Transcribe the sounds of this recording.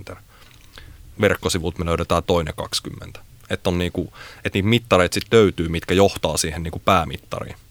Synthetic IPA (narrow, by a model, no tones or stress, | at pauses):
t̪er | ʋerkːosiʋut̪meløyɾet̪æːt̪oinḛkɑ̰kskymːḛnt̪æ̥ | et̪ːonniːkuet̪niːt̪mit̪ːɑreit̪sit̪løyt̪yːmit̪kæjoht̪ɑːsiːhenniːkupæːmḭt̪ːɑ̰rḭː